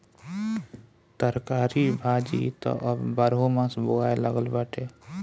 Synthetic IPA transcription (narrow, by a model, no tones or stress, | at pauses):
t̪əɾkaːɾibʱaːd͡ʒḭt̪ɔ̰ʔəbbəɾɦomãsbʊɡaːeləɡəlbəʈeː